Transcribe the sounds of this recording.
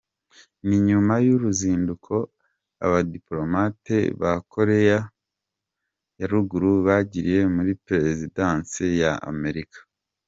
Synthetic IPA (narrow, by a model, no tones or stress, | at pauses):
niɲumajuɾuziːndukʰo̞ | a̰βadiplo̞matḛβakʰo̞ɾe̞ja | jaɾuɡuɾuβaɟiɾije̞muɾipɾe̞zidaːnsijaa̰me̞ɾikḁ